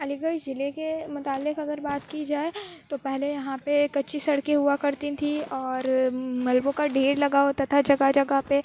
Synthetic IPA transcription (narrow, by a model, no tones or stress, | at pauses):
ɐlɪɡəid͡ʒɪlekemʊt̪aːlɪkɐɡəɾbaːt̪kid͡ʒaːet̪opɛɦlejɐɦãpekɐtːʃisɐɽkeɦuakɐɾt̪ĩt̪ʰiɔːɾmɐlbõkaɖeːɾlɐɡaːot̪ɐt̪ʰad͡ʒɐɡad͡ʒɐɡape